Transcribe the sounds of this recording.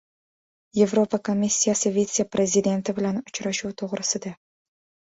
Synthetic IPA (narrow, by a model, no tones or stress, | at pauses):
jevropakomʲːisʲːijasəvʲet͡sʲjaprʲʔezʲid̪ʲent̪əblanʊt͡ɕɾɑʃut̪ʰoʁɾəsəd̪ɑ